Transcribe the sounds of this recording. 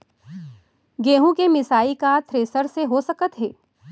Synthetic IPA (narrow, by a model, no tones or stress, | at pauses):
ɡeːɦũkemɪsaːikat̪ʰɾeːsəɾseɦosɐkət̪ɦeː